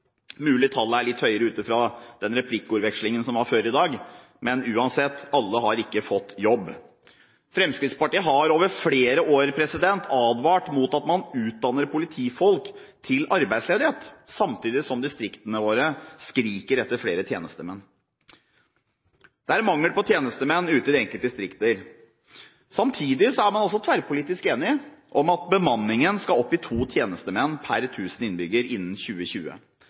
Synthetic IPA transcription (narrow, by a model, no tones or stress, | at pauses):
mʉːlɪt̪ʰɑlːəæɭɪt̪ːhœʏəɾəʉːt̪ɪfɾɑd̪̥ɛnɾɛpʰlɪkːʉːɾʋɛkʂlɪŋənsɔmʋɑɾføːɾɪd̪ɑːɡ | mɛnʉːɑnsɛt̪ːɑlːəɦɑɾɪkːəfɔt̪ːjɔbː | fɾɛmskɾɪt̪spɑʈiːəɦɑɾoːʋəɾfɽeːɾəʔoːɾpʰɾɛsɪd̪ɛnt̪ʰɑːd̪ʋɑːʈmuːt̪ɑt̪mɑnʉːt̪̚d̪ɑnːəɾpʰʊlɪt̪ʰiːfɔlk | t̪ʰɪlɑɾbæɪd̪sleːd̪ɪheːt̪sɑmt̪ʰiːd̪ɪsɔmd̪ɪst̪ɾɪkt̪ənəʋoːɾəskɾiːkəɾɛt̪ːəɾfɽeːɾət̪ʰjeːnəst̪əmɛn | d̪̥ɛæɾmɑŋːəpʰɔt̪ʰjeːnəst̪əmɛnːʉːt̪əd̪ɛŋkəlt̪d̪ɪst̪ɾɪkt̪əɾ | sɑmt̪ʰiːd̪ɪsɔæɾmɑnɔls̬ɔt̪ʰʋæɾpʰʊliːt̪ɪskeːnɪʔɔmɑt̪̚bəmɑnːɪŋənskɑɔpːɪt̪ʰuːt̪ʰjeːnəst̪əmɛnːpʰæɾt̪ʰʉːsn̩ɪnbʏɡəɾɪnːn̩çʉːəɕʉːə̰